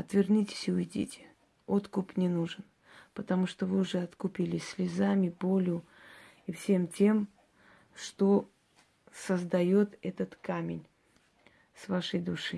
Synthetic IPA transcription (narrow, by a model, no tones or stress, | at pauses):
ɐt̪vʲɪrnʲitʲɪ̥sʲʊɪdʲḭtʲɪ̥ | o̞t̪kʊpnʲɪnuʐɨn | pət̪ɐmuʂt̪ovɨʊʐɛɐt̪kʊpʲilʲɪsʲlʲɪzamʲɪpo̞lʲʊ | ifsʲe̞mtʲe̞m | ʂt̪o | səzd̪ɐjo̞t̪ɛt̪ət̪kamʲɪ̰nʲ | svaʂəjd̪ʊʂɨ